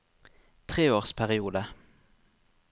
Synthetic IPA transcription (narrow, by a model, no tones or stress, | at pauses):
t̪ʰʁeːoːʁspʰæʁɪuːd̪ə